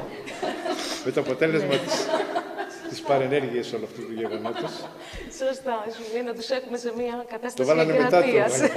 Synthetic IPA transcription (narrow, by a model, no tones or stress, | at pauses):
me̞t̪o̞ɐpo̞t̪e̞le̞zmɐt̪i | t̪ispɐɾene̞ɾʝiɐso̞luɐft̪ut̪uʝe̞ɣo̞not̪us | sost̪ɐsuenɐt̪usexumesemiɐkɐt̪ɐst̪ɐvɐlɐnemet̪ɐt̪iɐs